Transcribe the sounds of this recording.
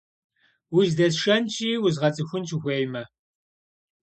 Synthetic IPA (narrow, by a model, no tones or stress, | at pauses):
wiʒdɐsʃɐnt͡ʃʰʼiːwʊzʁɐt͡sʼɨxʷʊnt͡ʃʰɪxʷeːjmɐ